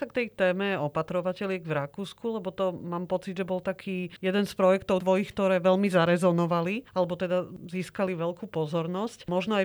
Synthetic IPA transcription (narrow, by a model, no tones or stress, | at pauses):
sakt̪ɛjt̪ɛːmɛɔpat̪ɾɔʋacɛlɪɛɡʋɾakuːskulɛbɔt̪ɔmaːmpɔt͡sid̪ʒɛbɔlt̪akʰiːjɛd̪ɛnspɾɔjɛkt̪ɔʊd̪ʋɔjixkt̪ɔɾɛːʋɛlmizaɾɛzɔnɔʋalialɛbɔt̪ɛd̪aziːskaliʋɛlkuːpɔzɔɾnɔscmɔʒnɔaj